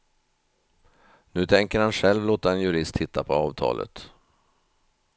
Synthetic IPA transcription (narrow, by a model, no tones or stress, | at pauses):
nʉ̟ːt̪ʰɛŋkəɾhanɧɛlvloːt̪aɛnjɵɾɪst̪hɪt̪ʰːapʰɔɑːvt̪ʰɑ̰ːlʔə̰t̪